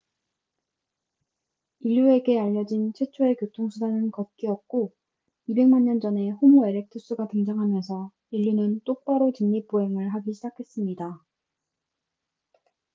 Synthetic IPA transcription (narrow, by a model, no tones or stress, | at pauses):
iʎːue̞ɡe̞aʎːʌd͡ʑint͡ɕʰe̞t͡ɕʰoe̞kjotʰoŋsʰudanɯnkʌt̚k͈iʌk̚k͈o | ibe̞ŋmanːʌnd͡ʑʌne̞ɸomoe̞ɾek̚tʰɯs͈uɡatɯŋd͡ʑʌŋɦamjʌnsʰʌ | iʎːunɯnt͈ok̚p͈aɾot͡ɕiŋɲip͈oɦe̞ŋɯɭɦaɡiɕʰid͡ʑakʰe̞s͈ɯmɲida